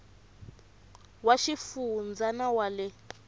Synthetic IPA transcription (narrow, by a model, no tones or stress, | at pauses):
waʃifund͡zanawalɛ